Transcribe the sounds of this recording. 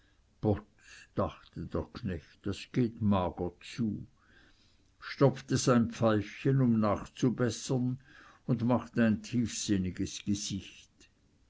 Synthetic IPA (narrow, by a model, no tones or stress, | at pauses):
b̥ɔt | d̥aχtəd̥eːɐkʰnɛçtd̥asɡ̥eːtmaːɡ̥ət͡suː | ʃtɔp͡ftəzaɪnpfaɪfçənʊmnaːχt͡subɛsɐn | ʊndmaχtəaɪntʰiːfsɪnɪɡəsɡ̥əz̥ɪçt